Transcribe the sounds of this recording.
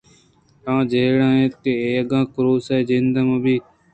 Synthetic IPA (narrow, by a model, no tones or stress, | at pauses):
ãːd͡ʒeːɽãːɦẽːt̪eːeːəɡãːkʊɾoːseːd͡ʒeːnd̪əməbiː